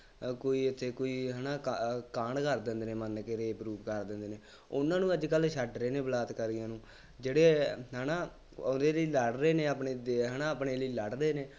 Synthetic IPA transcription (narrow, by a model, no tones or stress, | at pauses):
koːiːɪt̪ʰːeːkoːiːɦɛːnaːkkãːɳkəɾd̪ɪ̃nd̪eːnẽːmənkeːɾeːpɾuːpkəɾd̪ɪ̃ːnd̪eːneː | ʊnãːnũːəd͡ʒkəlʃʰəʈɾeːneːbəlaːt̪kəɾijãːnũː | d͡ʒeːɽeːɦɛːnaː | nd̪eːləiːləɽɾeːneːapɳeːd̪eɦɛːnaːəpneːləiːləɽɾeːneː